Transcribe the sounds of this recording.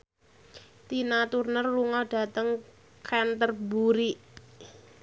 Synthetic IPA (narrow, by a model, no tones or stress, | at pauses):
t̪inat̪urnərluŋɔɖ̥a̤t̪əŋ | kʰɛnt̪ərbuɾiʔ